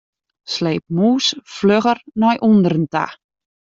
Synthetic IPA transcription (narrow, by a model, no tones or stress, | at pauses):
sleːp̚muːsfløɣərnɔjʔundəɾənta̰